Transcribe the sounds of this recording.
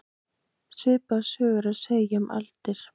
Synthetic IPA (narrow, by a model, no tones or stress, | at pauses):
sʏːpaðsœːɣʏɾaðseːjamʔa̰lt̪ɪɾ̥